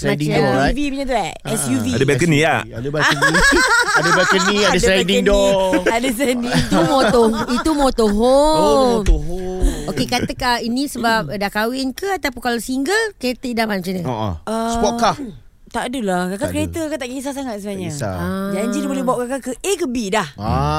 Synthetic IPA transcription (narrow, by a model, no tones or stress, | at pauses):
sadiŋdɔvipiɲãt̪ua | ɛsjuviadəbɛkəniaad | adəbakəniadəsdadidɔadəs̬adiit̪umooit̪umot̪oɦo | oɦookekat̪əkainĩsəbap̚dahkawɪnkəat̪apunkalosiŋɡəlkəɾet̪əidamanmat͡ʃaɲəo̰ʔo̰əspɔʔkah | t̪aʔdəlakakakəɾet̪əkat̪aʔɡes̬as̬aŋat̪̚səbnaɲəad͡ʒaɲd͡ʒinibolɛbawaʔkakakəʔekəbidaha